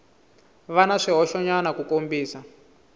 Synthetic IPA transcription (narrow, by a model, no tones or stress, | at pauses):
βanaʂiɦɔʃɔɲanakukombiːsa